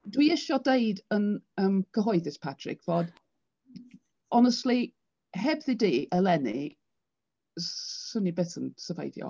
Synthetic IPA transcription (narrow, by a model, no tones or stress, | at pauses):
d̥wiɪʃɔdejdənəːmɡʰəɦɔɨðɪspʰatʰrɪ̰kʰv̥ɔːd | ɔnəstˡli | ɦɛbðidiːʔəlɛnḭ | sənibeθənsəva̰jdjɔ̰